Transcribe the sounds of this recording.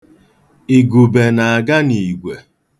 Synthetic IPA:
i˨ɡu˨be˨na˨a˨ɡa˦ni˨ɡʷe˨

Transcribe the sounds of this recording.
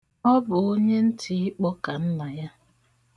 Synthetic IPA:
ɔ˦bʊ˨o˦ɲe˦n̩˦tʰɪ˨i˦k͡pɔ˦ka˨n̩˦na˨ja˦

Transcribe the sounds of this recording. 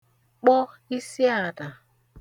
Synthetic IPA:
k͡pɔ˦i˦si˦a˨da˨

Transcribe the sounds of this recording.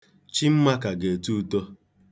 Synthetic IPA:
t͡ʃi˦m̩˦ma˦ka˨ɡe˨tu˦to˦

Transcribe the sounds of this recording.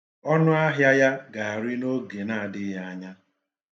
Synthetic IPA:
ɔ˦nʊ˦a˦ɦja˦ja˦ɡa˨a˨ɾi˦no˦ɡe˨na˨a˨dɪ˦ɦa˦a˦ɲa˦

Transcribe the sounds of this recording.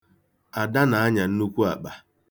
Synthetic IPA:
a˨da˦na˨a˦ɲa˨n̩˦nu˦kʷu˦a̰˨k͡pa˨

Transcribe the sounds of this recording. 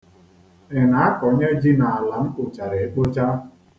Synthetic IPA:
ɪ˨na˨˦a˦kɔ˨˦ɲe˦d͡ʒi˦na˨a˨la˨m̩˦kʊ˨t͡ʃa˨ɾe˨e˨k͡po˦t͡ʃa˦

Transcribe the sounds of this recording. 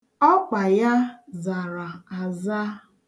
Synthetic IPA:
ɔ˦k͡pa˨ja˦za˨ɾa˨a˨za˦

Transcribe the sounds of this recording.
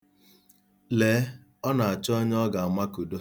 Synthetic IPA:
leː˨˦ | ɔ˦na˨a˨t͡ʃɔ˦ɲ˦ɔ˦ɡa˨a˨ma˦ku˨do˦

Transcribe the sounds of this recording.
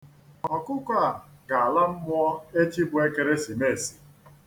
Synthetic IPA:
ɔ˨kʊ˦kʷa˦˨ɡa˨a˨la˦m̩˦mʊ˦ɔ˦e˦t͡ʃi˦bʊ˦˨e˦ke˨ɾe˦si˨me˦˨si̥˨

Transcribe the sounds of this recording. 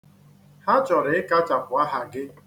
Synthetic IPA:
ha˦t͡ʃɔ˨ɾɪ˨ɪ˦ka˦t͡ʃa˨pʊ˨a˦ɦa˨ɡɪ˦

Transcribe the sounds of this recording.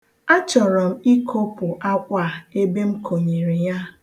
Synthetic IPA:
a˦t͡ʃɔ˨ɾɔ˨m̩˦i˦kʰo˦pʊ˨ʔa˦kʷa˦˨e˦be˦m̩˦kʰo˨ɲe˨ɾi˨ja˦

